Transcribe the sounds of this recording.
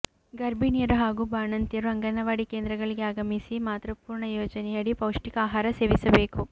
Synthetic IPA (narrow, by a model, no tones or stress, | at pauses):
ɡɐɾbinijɐɾuɦaːɡubaːnɐnt̪jɐɾuɐŋɡɐnɐʋaːɽikeːnd̪ɾɐɡɐɭiɡeaːɡɐmisimaːt̪ɾɐpuːɾɳɐjoːd͡ʒɐnɛjɐɽipɐwʂʈikaːɦaːɾɐseːʋisɐbeːku